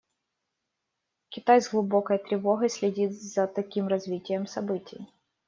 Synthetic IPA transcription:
kʲɪt̪ajzɡlˠʊbo̞kəjt̪ɾʲɪvo̞ɣɐjsʲlʲɪdʲit̪zɐt̪ɐkʲimɾɐzvʲitʲɪjəmsɐbɨtʲɪ̰j

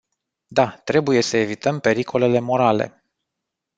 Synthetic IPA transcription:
d̪at̪ɾe̞buje̞səe̞vit̪əmpe̞ɾikʰo̞le̞le̞mo̞ɾale̞̰

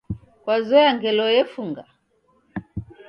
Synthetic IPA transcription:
kwazɔjaŋɡɛlɔɛfuŋɡa

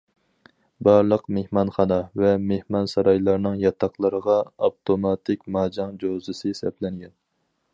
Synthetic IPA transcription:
bɑɾlˠəqmehmɑnχɑnɑvɛmehmɑnsɑɾɑjlˠɑɾnɨŋjɑt̪ʰɑqlˠəɾəʁɑɑpt̪ʰomɑt̪ʰɪkʲmɑːd͡ʒɑŋd͡ʒozɨsɨsɛplɛŋɡʲɛn

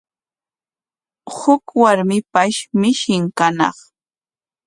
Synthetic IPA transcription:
hʊkwaɾmɪpaʃmɪʃɪŋkanɑ̰χ

